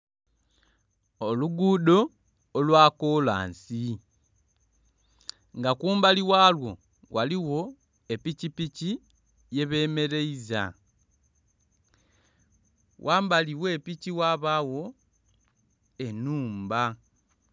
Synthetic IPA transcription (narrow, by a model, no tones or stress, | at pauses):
oluɡudo̞ː | lwaːkola̰ːnsi | ŋɡakuːmbaliwaːlwo̞ | wʔaliwo̞ | e̞picipici | je̞βe̞ːme̞ɾe̞iza̰ | wʔaːmbaliwe̞ːpiciwaβawo̞ | e̞nuːmba